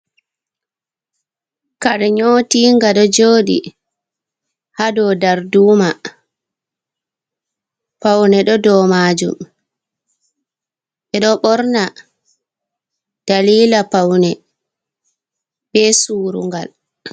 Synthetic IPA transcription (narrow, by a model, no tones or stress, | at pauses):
kaɾɛɲoːtiːŋɡaɗɔd͡ʒoːɗḭ | hadɔdaɾduːma | pawnɛɗɔdɔːmad͡ʒṵm | ɓɛɗɔɓɔɾna | d̥aliːlapawnɛ | bɛsuːɾṵŋɡal